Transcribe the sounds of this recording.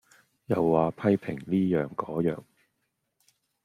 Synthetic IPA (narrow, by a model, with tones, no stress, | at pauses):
jɐ˨wːaː˨pʰɐ˥jpʰɪ˨˩ŋliː˥jœː˨ŋkɔː˨˥jœː˨ŋ